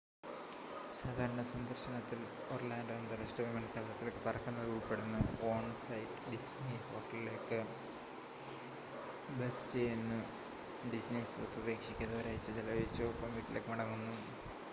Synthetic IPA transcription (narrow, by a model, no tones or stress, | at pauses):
saːd̪ʱaːɾɐɳɐsɐnd̪ɐrɕɐnɐt̪ːil | oːrlaːnɖɐɐnd̪ɐresʈɐʋimɐnkɐlɐlɐt̪ːilkːɨpɐrɐkːunːɐuːʋɐpːeɽunːɨo̞ːɳsɐjʈɖisniho̞ːʈːɐlile̞kːɨ | besɨ̥t͡ɕe̞jenːɨ | ɖisnisot̪ːuube̞ːkʂikʲːɐðɐʋɐɾeːjit͡ɕːɨt͡ɕilɐʋet͡ɕːoːpːɐmʋiːʈːilekːɨmɐɽɐŋːunːu